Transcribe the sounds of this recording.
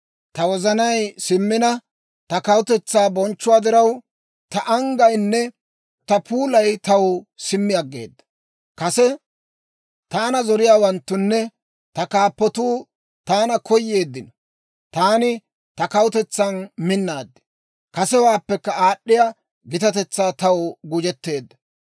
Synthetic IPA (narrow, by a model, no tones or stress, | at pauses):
t̪ɐwɔzɐnɐjsɪmːɪnɐ | t̪ɐkɐwʊt̪ɛt͡sːaːbɔnt͡ʃːʊwaːd̪ɪɾɐw | t̪ɐʔɐŋɡɐjnːɛ | t̪ɐpuːlɐjt̪ɐwsɪmːɪjɐɡːḛːd̪ːɐ̥ | kɐsɛ | t̪aːnɐzɔɾɪjaːwɐnt̪ːʊnːɛ | t̪ɐkaːpːɔt̪uː | t̪aːnɐkɔjːeːd̪ːɪnɔ | t̪aːnɪ | t̪ɐkɐwʊt̪ɛt͡sːanmɪnːaːd̪ːɛ̥ | kɐsɛwaːpːɛkːɐaːɗːɪja | ɡɪt̪ɐt̪ɛt͡sːaːt̪ɐwɡʊd͡ʒɛt̪ːe̞ːd̪ːɐ̥